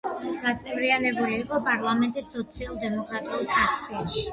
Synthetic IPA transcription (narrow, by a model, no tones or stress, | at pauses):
ɡ̥at̪sʼɛvɾianɛbuliːqʼɔpʼaɾlˠamɛnt̪ʼisːɔt̪sʰialˠd̪ɛmɔkʼɾat̪ʼiulpʰɾak̚ʰt̪sʰiaʃi̥